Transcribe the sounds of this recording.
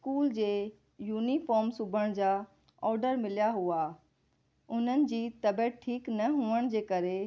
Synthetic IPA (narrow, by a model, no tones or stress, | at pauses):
skuːld͡ʑeː | juːnifɔːɾmsʊbʱəɽ̃d͡ʑa | ɔːɾɖəɾmɪlijaɦuaː | ʊn̤ənɪ̆d͡ʑiːt̪ɐbɛːʈ̚ʈʰiːknɐɦuəɽ̃d͡ʑeːkɐɾe